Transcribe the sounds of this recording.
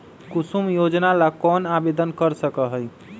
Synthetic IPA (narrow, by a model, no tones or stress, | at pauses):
kusumjod͡ʒnalakɔnabed̪ənkəɾsəkəɦəj